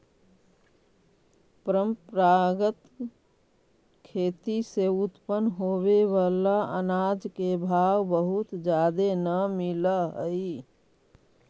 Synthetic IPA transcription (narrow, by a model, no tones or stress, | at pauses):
pəɾəmpɾaɡət̪ | kʰeːt̪iseut̪pənɦobeʋalaə̰nad͡ʒkebʱawbəɦut̪d͡ʒad̪enəmilaɦəi